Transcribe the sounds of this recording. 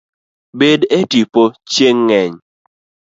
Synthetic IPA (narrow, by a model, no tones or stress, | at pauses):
bedetipot͡ʃeŋːɛɲ